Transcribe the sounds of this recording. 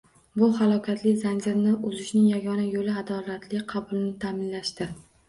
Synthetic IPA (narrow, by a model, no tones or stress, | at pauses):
bʊhalˠɒkʰʲat̪ʰlɪzand͡ʒɪɾnɪʔʊzɪʃnɪŋjaɡʲɒnajolɪad̪ɒlat̪ʰlɪqʰɑbʊlˠɪnɪt̪ʰamɪnlaʃt̪ɪ